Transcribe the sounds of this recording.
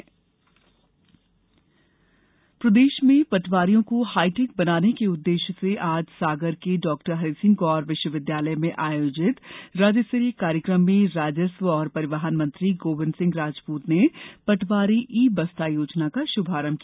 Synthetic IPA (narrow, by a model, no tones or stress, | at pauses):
pɾɐd̪eːʃmẽpɐʈʰʋaːɾijõkohaːɪʈɪk̚bɐnaːnekeʊd̪ːeːʃseʔaːd͡ʒsaːɡəɾkeɖɔːk̚ʈəɾɦɐɾiːsɪ̃ŋɡɔːɾʋɪʃwəʋɪd̪jaːləjmẽʔaːjoːd͡ʒɪt̪ɾaːd͡ʒəsɾikaːɾjəkɾəmːẽɾaːd͡ʒəsʋɔːɾpɐɾɪʋaɦənmɐ̃nt̪ɾiɡoːʋɪnsɪ̃ŋɡɾaːd͡ʒpuːt̪nepɐʈʰʋaːɾiʔiːbɐst̪ajoːd͡ʒnakaʃʊbʱaːɾəmkia